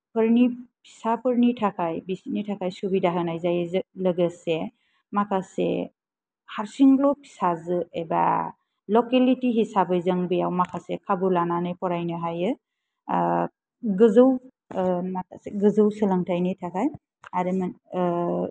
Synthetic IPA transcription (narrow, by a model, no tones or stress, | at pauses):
pʰɯɾnipʰi̥sapʰɯɾnitʰakʰajbisnitʰakʰajsubidaɦɯnajzajzlɯɡɯse | makʰasḛ | haɾsiŋlɔpʰi̥sazɯeba̰ | lɔkelitiɦisabɯjzɯŋbɯjawmakʰasekʰabulananɯjpɔɾajnɯɦajɯ | ɡɯzɯw | makʰaseɡɯzɯwsɯlaŋtʰajnitʰakʰaj | aɾɯman